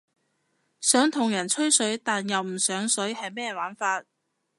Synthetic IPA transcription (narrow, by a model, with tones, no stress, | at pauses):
sœː˨˥ŋt̪ʰʊ˨˩ŋjɐ˨˩nt͡ʃʰɵ˥ɥsɵ˨˥ɥt̪aː˨njɐ˨wm̩˨˩sœː˨˥ŋsɵ˨˥ɥhɐ˨jmɛː˥waː˨˥nfaː˧t̚